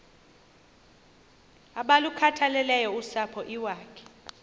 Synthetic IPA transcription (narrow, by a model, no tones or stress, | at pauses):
aɓalukʰatʰalɛlɛjɔusapʰɔʔiwaːkʰɛ̥